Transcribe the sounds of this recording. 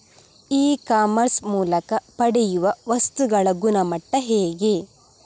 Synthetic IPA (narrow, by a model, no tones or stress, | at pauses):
iːkaːmɐɾsmuːlɐkɐpɐɽɛjuʋɐʋɐst̪uɡɐɭɐɡunɐmɐʈːɐɦeːɡe